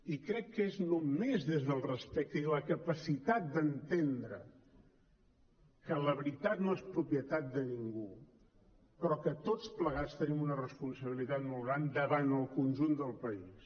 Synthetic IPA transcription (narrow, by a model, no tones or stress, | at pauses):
ikɾɛkːəeznumezðezðəlˠrəspɛk̚t̪əiləkəpəsit̪at̪̚d̪ənt̪end̪ɾə̰ | kələβɾit̪at̪noespɾupjət̪at̪̚d̪əniŋɡu | pɾɔkət̪ot͡spləɣ̞at͡st̪ənimunərəspunsəβilit̪at̪molˠɣɾand̪əβanəlˠkunʲʒund̪əlˠpəis